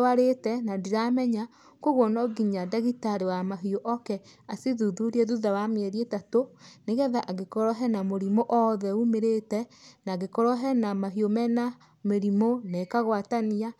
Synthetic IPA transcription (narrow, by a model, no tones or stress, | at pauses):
waɾetɛnadiɾamɛɲa | koɣwɔnɔɡiɲadaɣitaɾewamaɦioʔɔkɛasiðuðuɾieðuðawameɛɾietatoneɣɛðaʔaɣekɔɾɔɦɛnamoɾimoʔɔðɛumeɾetɛnaɣekɔɾɔɦɛnamaɦiomɛna | meɾimonɛkaɣwatania